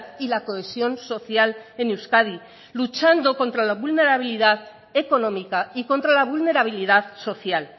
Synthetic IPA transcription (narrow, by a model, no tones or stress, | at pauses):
ðilako̞esjonso̞θjale̞newskaði | lut͡ʃand̪o̞ko̞nt̪ɾalaβulne̞ɾaβ̞iliðað | e̞ko̞no̞mikaiko̞nt̪ɾalaβ̞ulne̞ɾaβ̞ilið̞aðso̞θjal